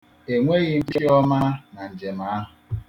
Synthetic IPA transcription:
e˨ŋʷe˦ɣɪ˦m̩˦bi˦ɔ˦ma˦na˨n̩˨d͡ʒe˨ma˨a˦ɦʊ˨

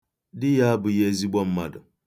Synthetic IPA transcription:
di˦ja˦bɨ˨je˦zi˦bɔ˦m˦ma˨dɨ˨

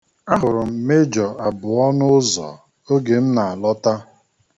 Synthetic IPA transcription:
a˦ɦʊ˨ɾʊ˨m̩˨me˦d͡ʒɔ˨a˨bʊ˨ɔ˦nʊ˦zɔ̰˨ | o˦ɡe˨m̩˦na˨a˨lɔ˦ta˦

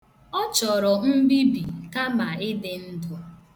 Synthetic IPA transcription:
ɔ˦t͡ʃɔ˨ɾɔ˨m̩˦bi˦bḭ˨ka˦ma˨ɪ˦dɪ˨n̩˦dɔ˨

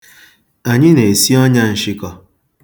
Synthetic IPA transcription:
a˨ɲɪ˦ne˨e˨si˦ɔ˦ɲa˦n̩˨ʃɪ˦kɔ˦

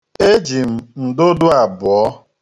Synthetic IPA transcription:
e˦d͡ʒi˨m̩˨n̩˨do˦dʊ˦a˨bɔ˦

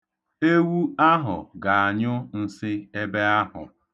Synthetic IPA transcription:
e˦wu˦a˦ɦʊ̰˨ɡa˨a˨ɲʊ˦n̩˦sɪ˦e˦be˦a˦ɦʊ̰˨

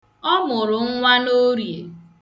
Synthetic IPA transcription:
ɔ˦mʊ˨ɾʊ˨ŋ̩˦ŋʷa˦no˦ɾje˨

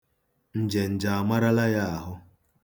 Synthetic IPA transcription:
n̩˨d͡ʒe˨n̩˨d͡ʒa˨a˨ma˦ɾa˦la˦ja˦a˨ɦʊ˦

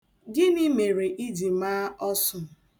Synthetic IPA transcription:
ɡɪ˦ni˦me˨ɾe˨ʔi˦di˨maː˦ɔ˦sʊ˨m˨

